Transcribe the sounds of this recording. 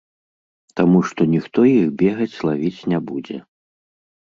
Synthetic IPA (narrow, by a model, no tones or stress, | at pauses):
t̪amuʂt̪ɔnʲixt̪ɔjiɣbʲɛɣɐt͡sʲlˠavʲit͡sʲnʲabud͡zʲɛ̰